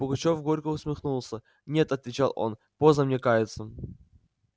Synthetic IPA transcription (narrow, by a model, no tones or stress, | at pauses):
b̥ʊɡɐt͡ɕo̞fɡo̞ɾʲkʊʊsmʲɪxnulˠsʲə | nʲe̞t̪ɐt̪vʲɪt͡ɕalˠʔo̞̰n | pozəmnʲekajɪt̪səm